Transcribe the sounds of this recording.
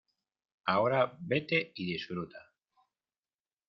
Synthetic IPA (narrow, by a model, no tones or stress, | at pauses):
aoɾabe̞t̪eiðisfɾut̪a